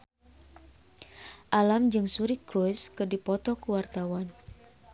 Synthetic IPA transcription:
ʔalamd͡ʒɨŋsuɾikɾuskɨrdipɔt̪ɔkuwart̪awan

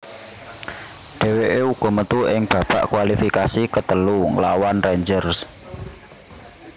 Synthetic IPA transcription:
ɖ̪̥e̤weʔeuɡ̥ɔ̤mət̪uʔɪŋb̥ä̤pa̰ʔkwalifikasikət̪əluŋlawanreɲd͡ʒərs

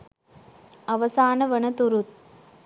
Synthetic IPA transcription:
ɐʋɐsaːnɐʋɐɳɐt̪uɾut̪̚

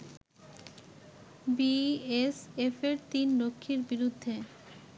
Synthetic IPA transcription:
biesefeɾt̪inɾokʰːiɾbiɾud̪ʱːe

